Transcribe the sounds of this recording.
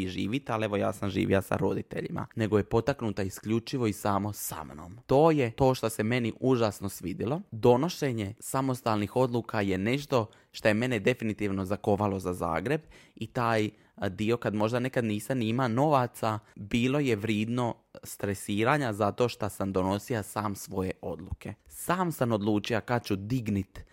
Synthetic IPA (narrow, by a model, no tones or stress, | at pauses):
iʒiːʋit̪eale̞ʋo̞ja̰ːsamʒḭːʋḭasa̰ɾo̞d̪it̪e̞̰ʎḭmʔa̰ne̞ɡoje̞po̞t̪aknuːt̪aiskʎut͡ʃiʋo̞isaːmo̞sa̰mno̰mt̪o̞ːje̞t̪o̞ːʃt̪ose̞me̞niʔuʒaːsno̞sʋid̪ilˠo̞d̪o̞no̞ʃeɲe̞samo̞st̪aːlnixo̞d̪lˠukaje̞ne̞ʃt̪o̞ | ʃt̪oje̞me̞ned̪e̞finit̪iːʋno̞zako̞ʋalo̞zaza̰ːɡɾe̞bit̪aːj | d̪io̞kad̪mo̞ʒd̪anekad̪niːsamniimano̞ʋat̪sabiːlˠo̞je̞ʋɾjiːd̪no̞ | st̪ɾesiːɾaɲazat̪o̞ːʃt̪asamd̪o̞no̞siasaːmsʋo̞je̞ʔo̞d̪lukʰe̞saːmsamo̞d̪lˠuːt͡ʃijakat͡ɕud̪iɡnit̪